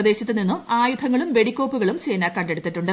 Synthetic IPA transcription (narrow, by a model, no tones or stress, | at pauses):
ɐd̪e̞ːɕɐt̪ːɨninːuaːjud̪ʱɐŋːɐɭumʋe̞ɽikʲːo̞ːpːuɣɐɭumt͡ɕeːnɐkɐɳɖe̞ɽut̪ːiʈːuɳɖɨ